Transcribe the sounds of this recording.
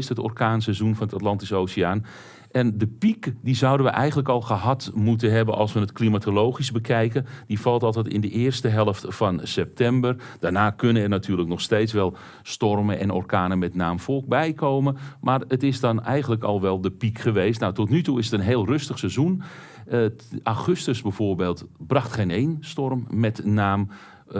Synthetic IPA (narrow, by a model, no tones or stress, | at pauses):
sthəto̰rkaːnsɛzunfɔnətatlɑntisowsiaːn | ʔɛndəpikdizawdənʋəʔɛjxɣənləkɔlˠχəɦɑtmutənɦɛbənʔɑ̰lˠsʋənətklimatʰoloːχizbəkʰɛjkəndifɑlˠtɑlˠtɛtɪ̰ndəʔɪːrstəɦɛlˠəftfɔnsɛp̚tɛmbərd̥aːrnaːkønənɛrnatʰyːrləknɔxsteːtsʋɛlˠ | stɔrmənʔɛnɔ̰rkaːnəmɛtnaːmfɔlˠk̚bɛjkʰowmənmaːrətɪsdɔnɛjxənləkɑlˠʋɛlˠdəpikχəʋeːstnawtɔtnytuɪsətənɦeːlˠrɵstəχsɛzun | ʔawχʏstəsbɛvoːrbeːlˠtbrɑχtχejnejnstɔrmːɛtnaːm